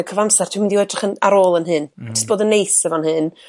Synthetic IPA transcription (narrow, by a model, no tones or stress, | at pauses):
kʰəvamsar̥tʰwimɪndiwɛdrɪχənaɾoːlˠənɦɨn̥əsb̥oːdənːejsəvɔnhɨn